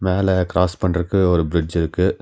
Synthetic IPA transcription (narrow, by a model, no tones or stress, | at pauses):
meːlɛkɪɾaːspɐɳːɐɾɯkːɯɔɾɯbɪɾɪd͡ʒɪɾɯkːɯ